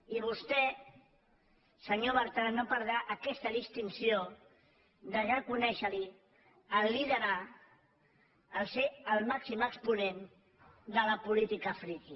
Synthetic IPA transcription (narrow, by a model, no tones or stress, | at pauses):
iβ̞ust̪ɛ | səɲoβəɾt̪anopəɾð̞ɾaʔəkɛst̪əðist̪insio | d̪ərəkunɛʃəli | əlːiðəɾa | lˠseəlˠmaksiməkspunen | d̪ələpulit̪ikəfɾiki